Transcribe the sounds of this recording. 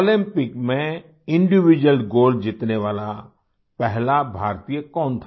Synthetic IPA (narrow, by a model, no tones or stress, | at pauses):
oːlɪ̃mpɪkmẽ | ɪ̃ɳɖɪʋid͡ʒəlɡoːld͡ʒɪt̪neʋaːla | pɛɦlabʱaːɾt̪ijəkɔːnt̪ʰa